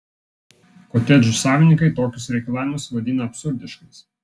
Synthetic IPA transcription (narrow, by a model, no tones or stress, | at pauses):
koːt̪ʲɛd͡ʒʊsɑːʋʲɪnʲɪŋkɐɪt̪oːkʲʊsɾʲɛɪkɐlˠɑːʋʲɪmɐsʋɐd̪ʲiːnɐɐpʲsʊɾʲd̪ʲɪʃkɐs